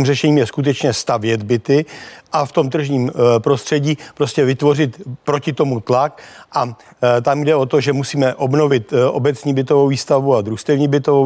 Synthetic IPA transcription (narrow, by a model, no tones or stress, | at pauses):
imrɛʃɛɲiːmjɛskut̪̬ɛt͡ʃɲɛst̪avjɛd̪bɪt̪ɪʔaft̪o̞mt̪r̩ʒɲiːmpɾo̞st̪r̥ɛɟiːpɾo̞scɛvɪt̪vo̞rɪt̪pɾo̞cɪt̪o̞mut̪lakʔa | t̪amjdɛo̞t̪o̞ʒɛmusiːmɛʔo̞bno̞vɪt̪ʔo̞̰bɛt͡sɲiːbɪt̪o̞vowviːst̪avuad̪ɾust̪ɛvɲiːbɪt̪ovo